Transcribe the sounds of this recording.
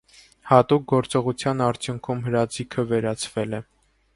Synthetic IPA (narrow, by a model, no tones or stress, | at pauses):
hɑt̪uk̚ɡɔɾt͡sɔʁut͡sʰjɑnɑɾt͡sʰjuŋkʰumɦəɾɑd͡zikʰəvɛɾɑt͡sʰvɛlɛ